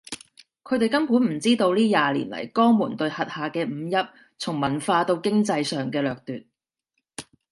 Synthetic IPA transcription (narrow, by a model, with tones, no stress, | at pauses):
kʰɵ˨˧ɥt̪e˨jkɐ˥mpu˨˥nm̩˨˩t͡siː˥t̪o˧wliː˥jaː˨lḭː˨˩nlɐ̰˨˩jkɔː˥ŋmuː˨˩nt̪ɵ˧ɥhɐ˨t̚haː˨˩kɛː˧m̩˨˧jɐ˥p̚ | t͡sʰʊ˨˩ŋmɐ˨˩nfaː˧t̪o˧wkɪ˥ŋt͡sɐ˧jsœː˨ŋkɛː˧lœː˨k̚t̪yː˨t̚